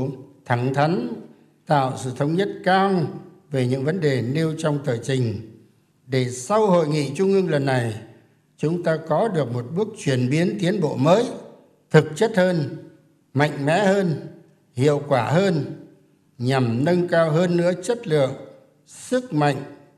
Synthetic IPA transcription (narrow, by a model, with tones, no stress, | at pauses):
t̪ʰa˧˩ŋt̪ʰa˨˦jŋ | t̪a̰ː˧˨wsɨ̰˧˨t̪ʰə˧wŋ͡mɲə˦˥t̚kaː˧ŋ | ve˨˩ɲɨ̰˧˥ŋvə˨˦nɗe˨˩ne˧wt͡ɕɔ˧wŋ͡mt̪əː˨˩t͡ɕï˨˩ŋ̟ | ɗe˧˩sa˧who̰˧˨jŋḭ˧˨t͡ɕʊ˧ŋ͡mʔɨ˧ŋlə˨˩nːa˨˩j | t͡ɕʊ˨˦ŋ͡mt̪aː˧kɔ˨˦ɗɨ˨˩ək̚mo˨˩t̚ɓɨ˦˥ək̚t͡ɕwi˧˩ənɓi˨˦ənt̪i˨˦ənɓo̰˧˨məː˨˦j | t̪ʰɨ˨˩k̚t͡ɕə˦˥t̚həː˧n | ma̰˧˨jŋ̟mɛ̰˧˥həː˧n | hḭ˧˨əwkwaː˧˩ɦəː˧n | ɲa˨˩mnə˧nkaː˧wɦəː˧nːɨ̰˧˥ət͡ɕə˦˥t̚lɨ̰˧˨əŋ | sɨ˦˥k̚ma̰˧˨jŋ̟